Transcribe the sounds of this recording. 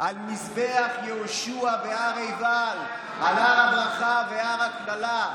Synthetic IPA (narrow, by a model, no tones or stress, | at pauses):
ʔalmisbeaχjehoʃuaveaʁejval | alaʁabʁaχaveaʁaklala